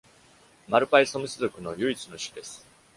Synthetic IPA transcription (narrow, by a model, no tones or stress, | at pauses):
maɾɯ̟paisomɯ̟sɨzokɯ̟no̞jɯ̟it͡sɨno̞ɕi̥kʲid̪e̞sɨ̥